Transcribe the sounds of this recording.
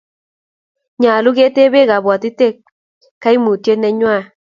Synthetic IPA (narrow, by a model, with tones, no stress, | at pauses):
ɲa˨lʊ˦ɡe˦t̪e˦be˦ɣa˨bwɔ˨t̪ɪ˦t̪e˦ | ka˦i˦mu˨tje˦nɛ˦ɲwa˦˨